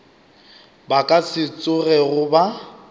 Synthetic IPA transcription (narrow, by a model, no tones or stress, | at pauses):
bakʼasɪt͡sʼʊrɛɣʊba